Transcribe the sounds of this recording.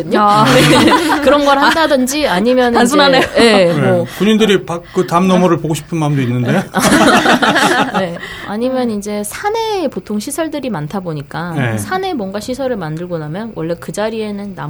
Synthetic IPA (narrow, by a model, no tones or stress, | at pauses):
ɯɲoekɯɾʌnɡʌɾhandadɯnd͡ʑiaɲimjʌnnʰanejemmʌkuɲindɯɾipak̚k͈ɯtamnʌmʌɾɯɭpoɡoɕʰi̥pʰɯnmaɯmdoinːɯnde̞ | e̞aɲimjʌnind͡ʑe̞sʰane̞ːpotʰoŋɕʰisʰʌɭdɯɾimantʰaboɲik͈aesʰane̞mwʌnɡaɕʰisʰʌɾɯɭmandɯɭɡonamjʌnwʔʌɭːe̞kɯd͡ʑaɾie̞nɯnːa̰m